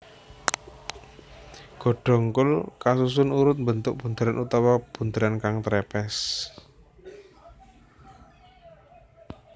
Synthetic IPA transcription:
ɡ̥ɔ̤ɖ̥ɔ̤ŋkʊlkasus̬ʊnuɾʊt̪̚mbənt̪ʊk̚b̥und̪əɾanut̪awab̥und̪əɾankaŋt̪ɾɛpɛs

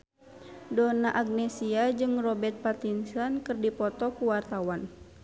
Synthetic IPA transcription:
dɔnaʔaɡ̚nɛsiad͡ʒɨŋrɔbɛrt̪̚pat̪insankɨrdipɔt̪ɔkuwart̪awan

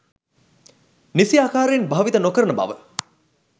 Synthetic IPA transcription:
nisiaːkaːɾeːnbaʋit̪ənokəɾənəba̰ʋə

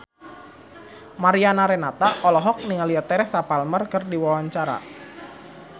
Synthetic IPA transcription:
maɾianaɾɛnat̪aʔɔlɔɦɔk̚niŋaliat̪ɛɾɛsapalmərkɨrdiwawaɲt͡ʃaɾa̰

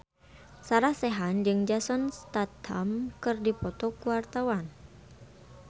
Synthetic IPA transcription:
saɾasɛɦand͡ʒɨŋd͡ʒasɔnst̪at̪ha̰mkɨrdipɔt̪ɔkuwart̪awan

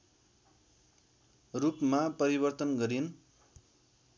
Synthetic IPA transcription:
rupmapʌɾibʌrt̪ʌnɡʌɾin

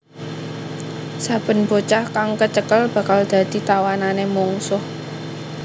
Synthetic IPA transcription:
sab̥ə̤nb̥o̤t͡ʃahkaŋkət͡ʃəkəlb̥a̤kald̪̥a̤d̪̥i̤t̪awananemɔŋsʊh

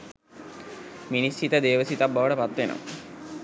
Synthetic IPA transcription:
minist͡ʃit̪əd̪eːʋəsit̪abːaʋəʈəpat̪ʋeno̰m

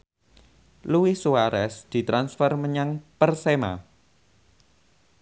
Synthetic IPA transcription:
luwisuaɾɛsd̪̥i̤t̪ɾansfərməɲaŋpərsema̰

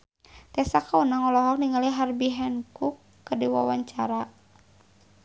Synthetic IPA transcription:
k̪ɛsakaunaŋɔlɔɦɔk̚niŋaliɦarbiɦɛnkukːədiwa̰waɲt͡ʃaɾa

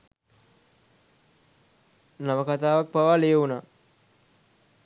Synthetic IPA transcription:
naməkat̪aːʋak̚paʋaːleːəunaː

